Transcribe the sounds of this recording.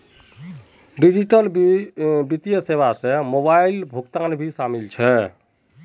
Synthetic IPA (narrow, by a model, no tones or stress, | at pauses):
ɖid͡ʒiʈəl | bit̪ijəseβasẽmobailbʱukt̪anbʱisamilt͡ʃʰɛ